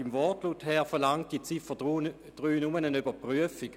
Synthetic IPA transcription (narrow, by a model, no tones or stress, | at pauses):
imvɔtluːthɛɐfɛɐlaŋt̚d̥it͡sifə | d̥ʁyːnumənənybɐpʁyəfik